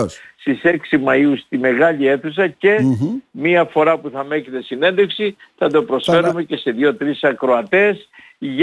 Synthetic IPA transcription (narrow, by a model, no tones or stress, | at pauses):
st̪iseksimɐjust̪ime̞ɣɐʎie̞θus̬ɐce̞miɐfo̞ɾɐpuθɐme̞cet̪e̞sine̞nd̪eksiθɐt̪o̞pɾo̞sfe̞ɾume̞ce̞se̞ðʝo̞t̪ɾisɐkɾo̞ɐt̪e̞s | ʝ